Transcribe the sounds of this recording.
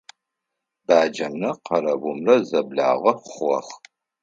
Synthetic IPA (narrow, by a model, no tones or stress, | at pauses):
b̥aːd͡ʒɐmnɐqʰɐɾɐbʊmrɐzɐbɮa̰ːʁɐχɐ̰χ